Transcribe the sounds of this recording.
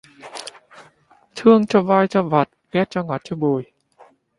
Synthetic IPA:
t̪ʰɨ˧əŋt͡ɕɔ˧vaː˧jt͡ɕɔ˧va˨˩t̚ɣɛ˦˥t̚t͡ɕɔ˧ŋɔ˨˩t̚t͡ɕɔ˧ɓu˨˩j

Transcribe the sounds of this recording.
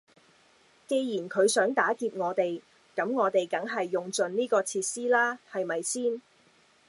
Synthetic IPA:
ke˧jjiː˨˩nkʰɵ˨˧ɥsœː˨˥ŋt̪aː˨˥kiː˧p̚ŋɔː˨˧t̪e˨˩j | kɐ˨˥mŋɔː˨˧t̪e˨jkɐ˨˥ŋɦɐ˨jːʊ˨ŋt͡sɵ˨nniː˥kɔː˧t͡sʰiː˧t̚siː˥laː˥hɐ˨jmɐ˨jsiː˥n

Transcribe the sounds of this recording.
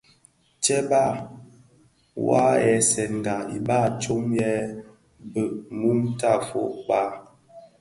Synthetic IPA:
t͡ʃɛ˦ba˦˨ | wa̰˦ɛ˨sɛ˨ŋ̩˨ɡa˨ḭ˨ba˦˨t͡ʃo˦mjɛ˦ | bə˨ʔ̚mu˦mta˦˨fo̰˨ʔk͡pa˦˨

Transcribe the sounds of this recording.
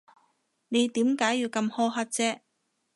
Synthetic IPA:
ne˨˧jt̪iː˨˥mkaː˨˥jːiː˨˧wkɐ˧mhɔː˧ɦɐ˧t̚t͡sɛː˧

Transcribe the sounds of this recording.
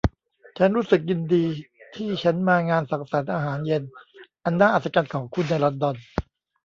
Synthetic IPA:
t͡ɕʰa˦˥nɾuː˦˥sɯ˨˩k̚ji˧ndiː˧t̪ʰiː˥˩t͡ɕʰa˦˥nmaː˧ŋaː˧nsa˩˦ŋsa˩˦nʔaː˧ɦaː˩˦nje˧nʔa˧nːaː˥˩ʔaː˨˩t̪̚sa˧t͡ɕa˧nkʰɔː˩˦ŋkʰu˧nːa˧jlɔ˧ndɔ˧n

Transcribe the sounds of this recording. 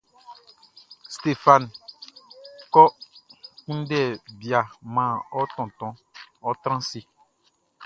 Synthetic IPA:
st̪e˦fa˨n | kɔ˦ | kũ˦n˦dɛ˦˨bi˨a˨mã˨ɔ˦tɔ̃˨t̪ɔ̃˨˦ɔ˦t̪ɾ̃ã˦si˦

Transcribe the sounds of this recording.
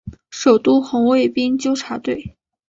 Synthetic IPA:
ʂo˨˩ʊt̪u˥˩xʊ˧˥ŋwe˥˩ɪpi˥ŋt͡ɕjo˥ʊʈ͡ʂʰa˧˥t̪we˥˩ɪ

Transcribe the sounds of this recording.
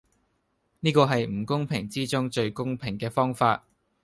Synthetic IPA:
niː˥kɔː˧ɦɐ˨jm̩˨˩kʊ˥ŋpʰɪ˨˩ŋt͡siː˥t͡sʊ˥ŋt͡ʃɵ˧ɥkʊ˥ŋpʰɪ˨˩ŋkɛː˧fɔː˥ŋfaː˧t̚

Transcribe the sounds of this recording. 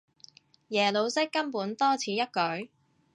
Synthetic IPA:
jɛː˨˩lo˨˧wsɪ˥kːɐ˥mpuː˨˥nt̪ɔː˥t͡sʰiː˨˥jɐ˥t̚kɵ˨˥ɥ

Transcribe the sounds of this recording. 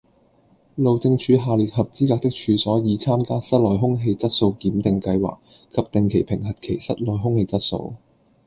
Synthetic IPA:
lo˨wt͡sɪ˧ŋt͡ʃʰyː˨˧ɦaː˨liː˨t̚hɐ˨p̚t͡siː˥kaː˧k̚t̪ɪ˥k̚t͡ʃʰyː˨˧sɔː˨˥jiː˨˧t͡sʰaː˥mkaː˥sɐ˥t̚lɔː˨˩jɦʊ˥ŋɦe˧jt͡sɐ˥t̚so˧wkiː˨˥mt̪ɪ˨˧ŋkɐ˧jwa̰ː˨k̚ | kʰːɐ˧p̚t̪ɪ˨ŋkʰe˨˩jpʰɪ˨˩ŋɦɐ˨t̚kʰe˨˩jsɐ˥t̚lɔː˨˩jɦʊ˥ŋhe˧jt͡sɐ˥t̚so̰˧w

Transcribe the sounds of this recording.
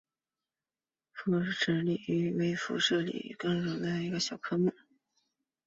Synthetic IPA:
fu˥˧ʂ̩˥˩ʈ͡ʂɻ̩˧˩li˨˩y˧˥we˧˥ɪfṵ˧˥ʂɤ˥˩lḭ˨˩kɤ˥˩ŋɻo˨˩ŋd̪ə˧i˧˥ɡə˧ɕjɑ˨˩ʊkʰɤ˥mu˥˩

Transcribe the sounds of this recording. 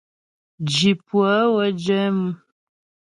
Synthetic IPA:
d͡ʒi˨pwə˨˦wə˦d͡ʒɛ˦m˦

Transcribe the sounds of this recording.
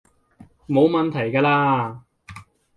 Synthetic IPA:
mo˨˧wmɐ˨nt̪ʰɐ˨˩jkaː˧laː˧

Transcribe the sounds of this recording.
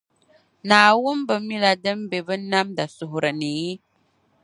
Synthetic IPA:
naː˨wʊ˦mbɨ˨mi˦la˨dɨ˦m˦be˨bɨ˦na˦mda˨sʊ˨hʊ˨ɾɨ˨nɨ˨ji˦

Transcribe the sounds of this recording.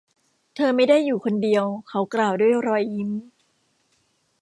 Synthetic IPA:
t̪ʰɤː˧ma˥˩jda˥˩jːuː˨˩kʰo˧ndi˧əwkʰa˦˥wklaː˨˩wduː˥˩əjɾɔː˧jːi˦˥m

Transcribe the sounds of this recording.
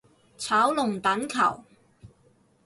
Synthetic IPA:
t͡sʰaː˨˥wlʊ˨ŋt̪ɐ˨˥nkʰɐ̰˨˩w

